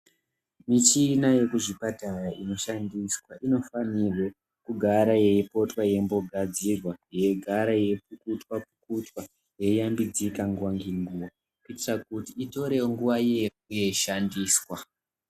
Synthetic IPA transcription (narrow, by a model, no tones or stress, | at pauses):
mit͡ʃinaje̞kuʐipatajaʔino̞ʃandiswaʔino̞fanirwe̞ | kuɡʱaɾaje̞ipo̞twaje̞mbo̞ɡʱad͡zirwaje̞ɡʱaɾaje̞pukutwapukutwa | je̞jambid͡zikaŋɡwaŋɡiŋɡuwa | kuitirakutiːto̞ɾe̞woŋɡuʋaje | uje̞iʃandiːswa